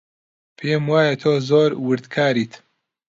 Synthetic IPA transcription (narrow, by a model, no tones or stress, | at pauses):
pʰeːmwaːjɐt̪ʰoːzoːɾwɨɾd̪kʰaːɾiːt̪